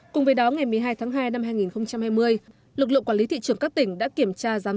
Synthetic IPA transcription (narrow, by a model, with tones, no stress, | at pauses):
kʊ˨˩ŋ͡mvə˨˦jɗɔ˨˦ŋa˨˩jmɨ˨˩əjɦaː˧jt̪ʰaː˨˦ŋɦaː˧jna˧mɦaː˧jŋi˨˩nxə˧wŋ͡mt͡ɕa˧mhaː˧jmɨ˧əj | lɨ˨˩k̬̚lɨ̰˧˨kwːli˨˦t̪ḭ˧˨t͡ɕɨ˨˩əŋkaː˦˥k̚t̪ï˧˩ŋ̟ɗa̰ː˧˥ki˧˩əmt͡ɕaː˧zaː˨˦